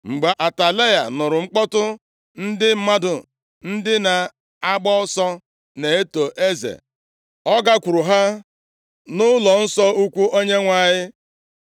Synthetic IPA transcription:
ŋ͡m̩˨ɡ͡be˨ʔa˨ta˨le˦ja˨nʊ˨ɾʊ˨ŋ͡m̩˦k͡pɔ˦tʊ˦ | n̩˦dɪ˦m̩˦ma˦dʊ˨ | n̩˦dɪ˦na˨ | a˦ɡ͡bɔ˦sɔ˦ | ne˨e˦to˨ʔe˦zḛ˨ | ɔ˦ɡa˦kʷu˨ɾʊ˨ɦa˦ | nʊ˦lɔ˨n̩˦sɔ˦u˦kʷu˦ʔo˦ɲe˦ŋʷa˨ɲɪ˦

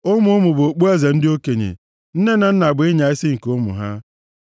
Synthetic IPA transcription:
ʊ˦mʊ˦mʊ˨bo˨k͡pu˦e˦ze˨n̩˦dɪ˦o˦ke˨ɲḛ˨ | n̩˦ne˦na˨n̩˦na˨ɡ͡bɪ˦ɲa˨ɪ˦sɪ˦ŋ̩˨ko˦mʊ̰˨ɦa̰˦

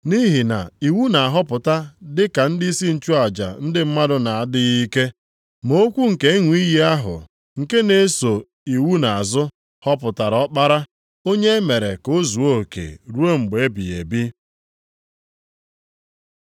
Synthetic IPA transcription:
ni˦ɦi˨na̰˨i˨wu˦na˨a˨ɦɔ˦pʊ˨ta˦dɪ˦ka˨n̩˦di˦i˦si˦n̩˨t͡ʃu˦a˨d͡ʒa̰˨n̩˦dɪ˦m̩˦ma˦dʊ˦na˨a˨dɪ˦ɣi˦ke˦ | mo˦kʷu˦ŋ̩˨ke˦e˦ŋʷ˨˦i˦ji˦a˦ɦʊ̰˨ | ŋ̩˨ke˦ne˨˦so˨ | i˨wu˦na˨a˨zʊ˦ | hɔ˦pʊ˨ta˨ɾɔ˦k͡pa˦ɾa˦ | o˦ɲe˦me˨ɾe˨ko˦zu˨o˦kḛ˨ɾu˦o˦ŋ͡m̩˨ɡ͡be˨e˦bḭ˨ḛ˨bi˦

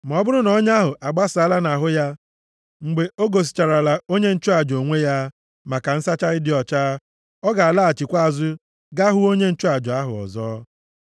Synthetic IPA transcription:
m˨ɔ˦bʊ˦ɾʊ˦nɔ˦ɲ˦a˦ɦʊ˨ʔa˨ɡ͡ba˦sa˦la˦na˨ɦʊ˦ja˦ | ŋ͡m̩˨ɡ͡be˨o˦ɡo˨s̬i̥˨t͡ʃa˨ɾa˨la˨o˦ɲe˦n̩˦t͡ʃʊ˦a˨d͡ʒo˨ŋʷe˦ja˦ | ma˨ka˨n̩˦sa˦t͡ʃa˦ɾɪ˦dɪ˨ɔ˨t͡ʃaː˦ | ɔ˦ɡa˨a˨la˦a˨t͡ʃi˨kʷa˦a˨zʊ˦ | ɡa˦ɦʊ˦o˦ɲe˦n̩˦t͡ʃu˦a˨d͡ʒɔ˨a˦ɦʊ̰˨ɔ̰˨zɔ̰ː˦

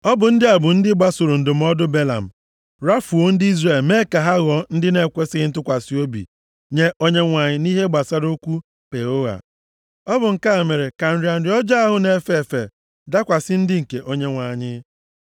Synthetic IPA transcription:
ɔ˦bʊ˨n̩˦dɪ˦a˨bʊ˨n̩˦dɪ˦ɡ͡ba˦sʊ˨ɾʊ˨n̩˨dʊ˨m̩˦ɔ˦dʊ˦be˦la̰˨m̩˨ | ɾa˦fu˨o˦n̩˦dɪ˦i˦zre˨lme˦ka˨ɦa˦ɣɔ˨n̩˦dɪ˦ne˦kʷe˦sɪ˦ɪ˦n̩˦tʊ˦kʷa˨si˦o˦bḭ˨ | ɲe˦ʔo˦ɲe˦ŋʷa˨ɲɪ˦ni˦ɦe˦ɡ͡ba˨sa˦ɾo˦kʷu˦ | pe˨o˦ɣa̰˨ | ɔ˦bʊ˨ŋ̩˨ka˦˨me˨ɾe˨ka˨n̩˨ɾɪ˨a˨n̩˨ɾɪ˨˦ɔ˦d͡ʒa˦a˦ɦʊ˦ne˨˦fe˦˨fe˨ | da˦kʷa˨sɪ˦n̩˦dɪ˦ŋ̩˨ke˨ʔo˦ɲe˦ŋʷa˨ɲɪ˦

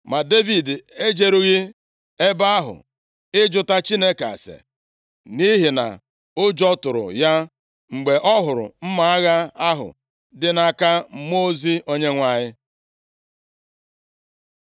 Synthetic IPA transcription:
ma˨de˦vi˨de˦d͡ʒe˦ɾu˦ɣɪ˦ | e˦ba˦a˦ɦʊ̰˨ | ɪ˦d͡ʒʊ˦ta˦t͡ʃi˦ne˦ka̰˨sḛ˨ | ni˦ɦi˨na̰˨ | ʊ˦d͡ʒɔ˦tʊ˨ɾʊ̰˨ja˦ | ŋ͡m̩˨ɡ͡be˨ʔɔ˦ɦʊ˨ɾʊ̰˨m̩˦ma˨a˦ɣa˦a˦ɦʊ̰˨ | dɪ˦na˨ka˦mo˦zi˦o˦ɲe˦ŋʷa˨ɲɪ˦

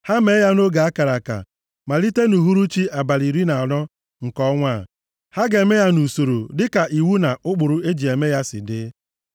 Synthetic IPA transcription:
ha˦me˦ja˦no˦ɡa˨a˦ka˨ɾa˨ka̰˨ | ma˨li˦te˦nu˨ɦu˦ɾu˦t͡ʃi˦a˨ba˨ɾi˨ɾi˦na˨ɔ˨ɾɔ˦ | ŋ̩˨kɔ˦ŋʷa˦˨ | ha˦ɡe˨me˦ja˦nu˨so˨ɾo̰˨dɪ˦ka˨ʔi˨wu˦na˨ʔʊ˦k͡pʊ˨ɾʊ˨˦e˦d͡ʒi˨e˨me˦ja˦sɪ̰˨dɪ˦

